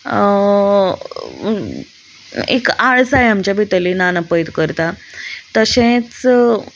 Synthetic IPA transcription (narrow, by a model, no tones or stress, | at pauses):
ḛkaɭsajamt͡ɕjabʱit̪əlinanapəjt̪kəɾt̪at̪əɕẽt͡s